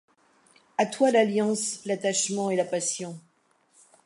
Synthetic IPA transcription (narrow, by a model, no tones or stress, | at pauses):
at̪walaljɑ̃slat̪aʃmɑ̃elapasjɔ̃